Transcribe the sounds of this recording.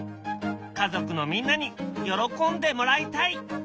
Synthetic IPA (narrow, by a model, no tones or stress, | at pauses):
kazo̞kɯ̟no̞mʲĩnːaɲ̟ijo̞ɾo̞kõ̞nd̪e̞mo̞ɾait̪ai